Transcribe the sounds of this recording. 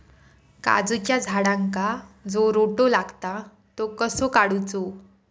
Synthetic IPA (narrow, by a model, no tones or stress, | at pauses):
ka̰d͡zt͡ɕjad͡zʱaɽãŋkad͡zoɾoʈolaɡt̪a | t̪okəsokaɽut͡so